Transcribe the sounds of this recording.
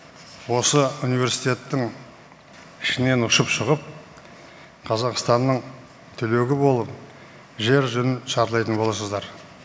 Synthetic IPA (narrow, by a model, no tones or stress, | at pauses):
wo̞səunijvʲe̞ɾsijt̪e̞t̪ːɪŋ | ɪʃɪne̞nʊʃəpʃʊʁəp̚ | qʰɑzɑqst̪ɑnːəɴ | t̪ʰʏle̞ɡʲɪbo̞lˠəp̚ | ʒe̞ɾʒɵnɪnʃɑɾlˠɑjt̪ənbo̞lˠɑsəzd̪ɑɾ